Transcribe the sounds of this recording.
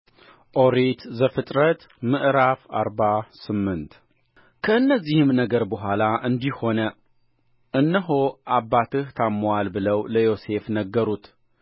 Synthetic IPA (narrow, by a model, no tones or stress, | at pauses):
ʔoɾit̪zəfɨt̪ʼɾət̪ | mɨʔɾafa̰ɾbasɨmːɨnt̪ | kʰəɨnːəzːihɨmnəɡəɾbəɦʷalaʔɨnd̪iho̞nə | ʔɨnːəɦoʔabːat̪ʰɨht̪ʰamːwalbɨləwləjo̞se̞fnəɡːəɾut̪